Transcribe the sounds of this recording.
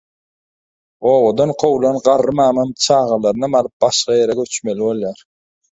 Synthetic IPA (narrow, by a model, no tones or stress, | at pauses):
o̞ːwod̪ɑnqʰowlˠɑnɢɑɾːɯmɑːmɑmt͡ʃʰɑːʁɑlˠɑɾnɑmɑlˠɯp̚bɑʃqɑjeɾɛɡøt͡ʃmeliβo̞lˠjɑɾ